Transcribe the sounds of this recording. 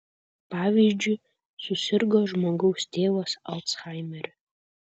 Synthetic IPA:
pʰavʲizd͡ʒi | susɨrɡɔʒmoɡɨwstʰeːwasa̰lt͡sʰχajmɨr

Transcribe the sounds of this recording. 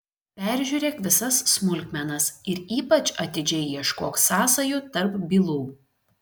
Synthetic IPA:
pʲæˑɾʲʒʲuːɾʲeːkʋʲɪsɐsːmʊlʲkʲmʲɛnɐsɪɾiːpɐt͡ʃʲɐt̪ʲɪd͡ʒʲɛɪjiɛʃkoːksɑːsɐjʊt̪ɐɾpbʲiːlˠuː

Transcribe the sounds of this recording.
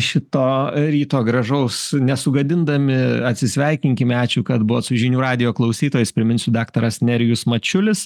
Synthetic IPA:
ʃʲɪt̪oːɾʲiːt̪oːɡɾɐʒɐʊsnʲɛsʊɡɐd̪ʲɪnd̪ɐmʲɪɐt̪ʲsʲɪsʲʋʲɛɪkʲɪŋʲkʲɪmʲæːt͡ʃʲuːkɐt̪bʊʋoːt̪sʊʒʲɪnʲuːɾɑːd̪ʲɪjoːklˠɐʊsʲiːt̪oːjɪspʲɾʲɪmʲɪnʲsʲʊd̪ɑːkt̪ɐɾɐsnʲɛɾʲɪjʊsmɐt͡ʃʲʊlʲɪs

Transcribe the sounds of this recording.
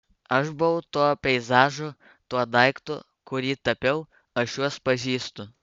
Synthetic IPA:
ɐʃbʊʋɐʊt̪uɔpʲɛɪzɑːʒʊ | t̪uɔd̪ɐɪkt̪ʊ | kʊɾʲiːt̪ɐpʲɛʊ | ɐʃjuɔspɐʒʲiːst̪ʊ

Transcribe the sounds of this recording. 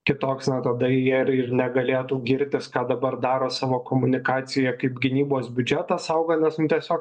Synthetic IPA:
kʲɪt̪oːksnɐt̪ɐd̪ɐjiɛɪrɪrnʲɛɡɐlʲeːt̪uːɡʲɪɾʲt̪ʲɪskɑːd̪ɐbɐrd̪ɑːɾoːsɑːʋoːkoːmʊnʲɪkɑːt̪sʲɪjɛkɐɪpɡʲɪnʲiːboːsbʲʊd͡ʒʲɛt̪ɑsɐʊɡɐnʲɛsnʊt̪ʲiɛsʲoːk

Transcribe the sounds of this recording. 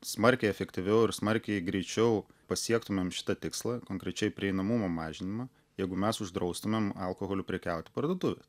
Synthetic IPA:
smɐɾʲkʲɛɪɛfʲɛkt̪ʲɪʋʲɛʊɪɾsmɐɾʲkʲɛɪɡɾʲɛɪt͡ʃʲɛʊpɐsʲiɛkt̪ʊmʲɛmʃʲɪ̥t̪ɐt̪ʲɪkslˠɑkoːŋkɾʲɛt͡ʃʲɛɪpʲɾʲɪɛɪnɐmʊmoːmɑːʒʲɪnʲɪmɐ | jɛɪɡʊmʲɛsʊʒd̪ɾɐʊst̪ʊmʲɛmɐlˠkoɣoːlʲʊpʲɾʲɛkʲæˑʊt̪ʲɪ̥pɐɾd̪uoɔt̪ʊʋʲes

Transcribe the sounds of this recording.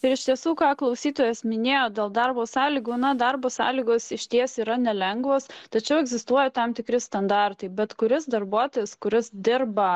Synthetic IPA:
ɪɾɪʃt̪ʲiɛsuːkɑːklˠɐʊsʲiːt̪oːjɛsmʲɪnʲeːjoːd̪ʲeːlˠd̪ɐrboːsɑːlʲiːɡuːnɐd̪ɐɾboːsɑ̰ːlʲiːɡoːsɪʃʲt̪ʲiɛsiːɾɐnʲɛlʲɛŋɡʋoːst̪ɐt͡ʃʲɛʊɛɡzʲɪst̪uɔjɛt̪ɐmt̪ʲɪkɾʲɪst̪ɐnd̪ɑrt̪ɐɪbʲɛt̪kʊɾʲɪsd̪ɐrbuɔt̪oːjɛskʊɾʲɪsd̪ʲɪɾbɐ

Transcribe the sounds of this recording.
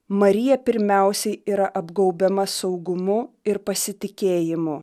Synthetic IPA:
mɐɾʲɪjɛpʲɪɾʲmʲæˑʊsʲɛɪiːɾɐʔɐbɡɒʊbʲɛmɐsɒʊɡʊmʊ | ɪɾpɐsʲɪt̪ʲɪkʲeːjɪmʊ

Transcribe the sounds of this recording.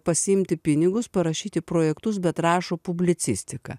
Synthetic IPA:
pɐsʲɪɪmʲt̪ʲɪpʲɪnʲɪɡʊspɐɾɐʃʲiːt̪ʲɪpɾoːjɛkt̪ʊs̬bʲɛt̪ɾɑːʃoːpʊbʲlʲɪt̪sʲɪ̰sʲt̪ʲɪkɐ̰ː

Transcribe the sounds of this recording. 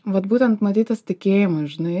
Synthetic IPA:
ʋɐt̪buːt̪ʲɛnt̪mɐt̪ʲiːt̪ɐst̪ʲɪkʲeːjɪmɐʒʲɪnɐɪ

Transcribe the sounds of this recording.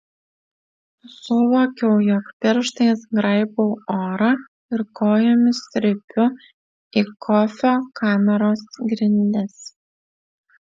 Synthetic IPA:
sʊʋoːkʲɛʊjɔkpʲɪɾʃt̪ɐɪsɡɾɐɪboːoːɾɐ | ɪɾkoːjomʲɪst̪ɾʲɪpʲʊ | ikʰɔfʲoːkʰɑːmʲɛɾoːsɡɾʲɪnʲd̪ʲɛs

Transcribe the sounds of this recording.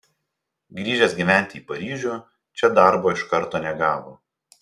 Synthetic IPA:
ɡɾʲiːʒʲɛsɡʲiːʋʲæˑnʲt̪ʲɪiːpɐɾʲiːʒʲuː | t͡ʃʲɛd̪ɑˑɾboːɪʃkɐɾt̪oːnʲɛɡɑːʋoː

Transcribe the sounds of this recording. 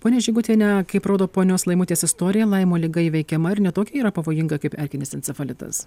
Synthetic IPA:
poːnʲɛʒʲɪɡʊt̪ʲeːnʲɛkɐɪpɾoːd̪oːpoːnʲoːslˠɐɪmʊt̪ʲeːsɪst̪oːɾʲɪjɛlˠɐɪmoːlʲɪɡɐɪʋʲɛɪkʲɛmɐɪɾnʲɛt̪oːkʲɛiːɾɐpɐʋoːjɪŋɡɐkɐɪpɛɾʲkʲɪnʲɪsʲɛnt̪sʲɛfɐlʲɪt̪ɐ̰s

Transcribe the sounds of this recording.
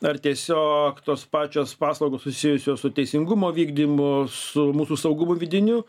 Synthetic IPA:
ɐrt̪ʲiɛsʲoːkt̪oːspɑːt͡ʃʲoːspɑːslˠɐʊɡoːssʊsʲɪjʊsʲoːssʊt̪ʲɛɪsʲɪŋɡʊmoːʋʲiːɡd̪ʲimʊsʊmuːsuːsɐʊɡʊmʊʋʲɪd̪ʲɪnʲʊ

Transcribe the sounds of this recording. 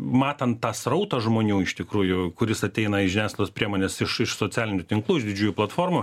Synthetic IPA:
mɑːt̪ɐnt̪tɑːsrɐʊt̪ɐʒmoːnʲuːɪʃt̪ʲɪkɾuːjʊkʊɾʲɪsɐt̪ʲɛɪnɐɪʒʲɪnʲæːslʲˠoːspʲɾʲiɛmoːnʲeːsɪʃɪʃsoːt͡sʲæːlʲɪnʲʊt̪ʲɪŋklˠuːɪʒd̪ʲɪd͡ʒʲuːjuːplˠɐt̪foːrmʊ

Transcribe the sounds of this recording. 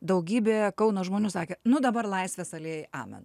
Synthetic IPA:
d̪ɐʊɡʲiːbʲeːkɐʊnoːʒmoːnʲuːsɑːkʲeːnʊd̪ɐbɐrlˠɐɪsʲʋʲɛsɐlʲeːjɪʔɑ̰ːmʲɛ̰n

